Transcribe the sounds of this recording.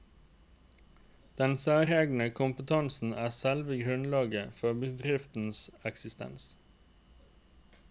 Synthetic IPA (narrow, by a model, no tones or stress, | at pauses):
d̪̥ɛnsæːɾɛːɡnəkʰʊmpət̪ʰɑnsn̩ʔæːsɛlʋəɡʁʉnlɑːɡəfɔbəd̪ʁɪft̪n̩sɛksɪst̪ɛ̰ns